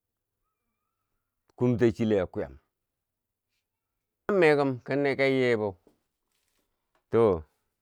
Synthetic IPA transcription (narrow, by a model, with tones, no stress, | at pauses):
ku˦mt̬a˦t͡ʃi˦le˨ja˨ku˦ja̰˨m | a˦mːe˦kə˦mkə˦nːe˦ka˦je˦bo˨ | to˦˨